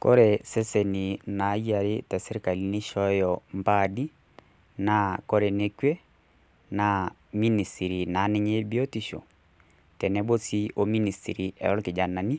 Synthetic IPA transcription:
kɔ̰˦ɾɛ˨sɛ˦sɛ˨ni˨na˨˦ja˨ɾe˦tɛ˨sɛ˦ɾe˦ka˨li˨˦ne˦ʃɔ˦jɔ˨mpa˦˨di˦ | na˨˦kɔ˦ɾɛ˨ne˦kwɛ˦ | na˨ | mi˦ni˨sti˨ɾi˨na˨˦nɛ˦ɲe˦bi˦ɔ˦ti˦ʃɔ̰˨ | tɛ˨nɛ˦bo˦si˦o˦mi˦ni˨stḭ˨ɾi˨ɛ̰˨ɔ˦lke˨d͡ʒa˨na˨ni˦

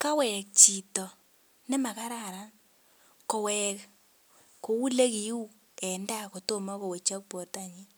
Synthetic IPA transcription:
ka˦wɛ˨k̚t͡ʃi˨tɔ˨ | nɛ˦ma˨ka˦ɾa˦˨ɾa˦n | kɔ˨wɛ˨k | ko˨wu˦le˦ki˨u˦k | ɛ˨nda˦ko˨to˦ma˦ko˨we˨t͡ʃa˦k̚po˨rta˦ɲi˦

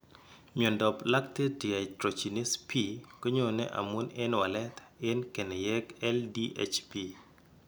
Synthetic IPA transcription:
ɲe˨ndɔ˨pla˦k̚te˦di˨a˨tɾo˨t͡ʃi˨ni˦spʰi˦kə˦ɲo˨nɛ̰˦ʔa̰˨mu˦ne˦nwa˨lɛ˦t̪ɪ˦nke˨nɛ˨jɛ˦kɛ˦ldi˦ʔḛ˦t͡ʃpi˨

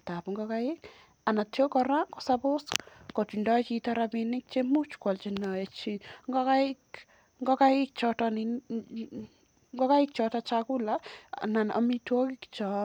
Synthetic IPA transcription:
ta˨pŋɡɔkajɪ˦k | a˨na˨tjo˦kɔɾa˦kɔsabʊ˦skɔ˨ti˨ndɔ˦t͡ʃitɔɾabinɪ˦k̚t͡ʃemu˦t͡ʃkɔ˨lt͡ʃinɔe˨t͡ʃiŋɡɔ˦ka˦ɪk | ŋɡɔ˦ka˦jɪ˦k̚t͡ʃɔtɔni | ŋɡɔ˦ka˦ɪk̚t͡ʃɔtat͡ʃaku˦lana˨nʔɔ̰˨mitwo˦kikt͡ʃɔ

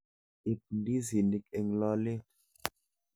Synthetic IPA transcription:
i˨p̚ndi˦zi˨ni˨k̚e˨ŋlɔ˦le˦

